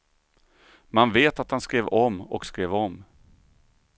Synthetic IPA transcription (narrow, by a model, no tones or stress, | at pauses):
manveːt̪at̪hanskɾeːvɔmːɔ̰kskɾeːvɔm